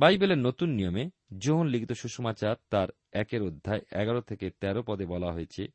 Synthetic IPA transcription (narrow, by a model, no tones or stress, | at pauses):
bajbeleɾnot̪unːijome | d͡ʑoɦonliɡit̪oʃuʃomat͡ɕaɾt̪aɾ | ɛkeɾod̪ʱːaeʔɛɡaɾot̪ʰeket̪ɛɾopɔd̪ebɔlaɦoet͡ɕʰḛ